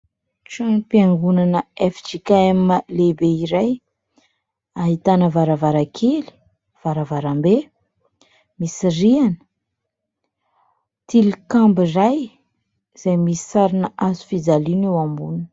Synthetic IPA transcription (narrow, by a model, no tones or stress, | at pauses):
ʈ͡ʂanpiaŋɡunanəefi̥ʈ͡ʂikaeməlebeiɾaj | aɦit̪anəvaɾavaɾakʰeli̥ | v̥aɾavaɾambe | misirianə̥ | t̪ilikambiraj | z̥ajmisi̥saɾinəʔazu̥fid͡zalinewambun